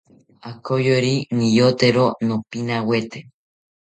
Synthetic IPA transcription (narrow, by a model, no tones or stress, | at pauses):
akojoɾinijot̪eɾonõpinawet̪e